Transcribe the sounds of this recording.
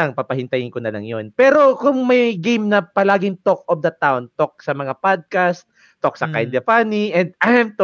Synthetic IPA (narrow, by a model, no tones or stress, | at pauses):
aŋpapɐhɪnt̪ɐjɪnkonɐlɐ̰ŋjonpɛːɾo̞kʊŋmɐjɡimnɐpɐlaːɡɪŋt̪ok̚ʔofd̪ɐt̪aont̪ok̚sɐmɐŋapad̪̚kast̪̚ːok̚sɐkajnd̪ɐpaniʔɛnd̪̚ajamt̪